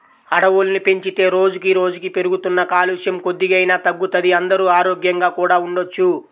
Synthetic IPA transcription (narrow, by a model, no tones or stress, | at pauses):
ɐɽɐwulnipe̞ɲt͡ʃit̪e̞ːɾo̞ːd͡ʒukiɾo̞ːd͡ʒukipe̞ɾuɡut̪unːɐkaːluːʂjɐmko̞d̪ːiɡɐjnaːt̪ɐɡːut̪ɐd̪iɐnd̪ɐɾuːaːɾo̞ːɡjɐŋɡaːkuːɽaːuɳɖo̞t͡ʃːu